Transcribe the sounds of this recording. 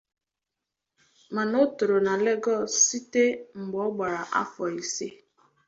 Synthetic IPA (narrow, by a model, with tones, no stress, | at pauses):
ma˨no˦to˨ɾo˨na˨le˦ɡɔ˦˨si˦te˦ŋ͡m̩˨ɡ͡bɔ˦ɡ͡ba˨ɾa˨ʔa̰˦fɔ˨i˨si˦